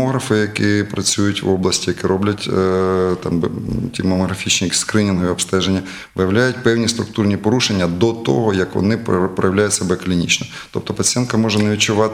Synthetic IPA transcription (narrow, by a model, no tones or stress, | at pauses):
ɔɦɾɐfɪjɐkɪpɾɐt͡sʲujʊtʲʋɔblˠɐsʲtʲijɐkɛɾɔblʲɐtʲt̪ɑmbtʲimɐmɔɦɾɐfʲit͡ʃnʲikskɾɪnʲɪnɦɔiɔpst̪ɛʒenʲːɐ | ʋɪjɐwlʲajʊtʲpɛwnʲist̪ɾʊk̚t̪urnʲipɔɾuʃenʲːɐd̪ɔt̪o̰ɦɔjɐkʋɔ̰nɪppɾɐ̰jɐʋlʲajʊtʲsʲɐbɛklʲinʲḭt͡ʃnɔ | t̪ɔp̚t̪ɔpɐt͡sʲijɛnkɐmɔʒɛnɐʋʲit͡ʃʊʋɑt̪